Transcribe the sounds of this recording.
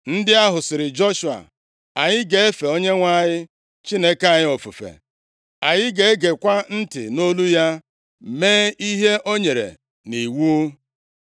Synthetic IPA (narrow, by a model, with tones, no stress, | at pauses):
n̩˦dɪ˦a˦ɦʊ˨sɪ˨ɾɪ˨d͡ʒɔ˦ʃu˨a̰˨ | a˨ɲɪ˦ɡe˨e˦fe˨o˦ɲe˦ŋʷa˦˨ɲɪ˦ | t͡ʃi˦ne˦ka˨ɲɪ˦o˨fṵ˨fḛ˨ | a˨ɲɪ˦ɡe˨e˦ɡe˨kʷa˦n̩˦tɪ̰˨no˦lu˦ja˦ | meː˦i˦ɦe˦ʔo˦ɲe˨ɾḛ˨ | ni˨wu˦